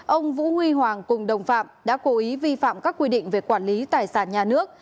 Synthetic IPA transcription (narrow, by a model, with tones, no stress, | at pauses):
ʔə˧wŋ͡mvṵ˧˥hwi˧ɦwaː˨˩ŋkʊ˨˩ŋ͡mɗə˨˩wŋ͡mfa̰ː˧˨mɗa̰ː˧˥ko˨˦ʔi˨˦vi˧fa̰ː˧˨mkaː˦˥kːwi˧ɗḭ̈˧˨ŋ̟ve˨˩kwaː˧˩nli˨˦t̪aː˨˩jsaː˧˩nɲaː˨˩nɨ˦˥ək̚